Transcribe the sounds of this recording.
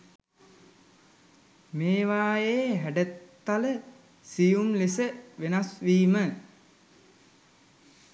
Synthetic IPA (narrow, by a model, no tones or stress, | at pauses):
meːʋaːjeːɦæɖət̪ːalə | sijumlesəʋenasʋiːmə